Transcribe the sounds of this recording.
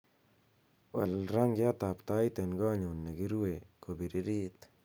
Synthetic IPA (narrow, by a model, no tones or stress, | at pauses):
walɾaŋɡjat̪apt̪ajt̪ɛnɡɔɲunːeɡiɾuwekobiɾiɾit̪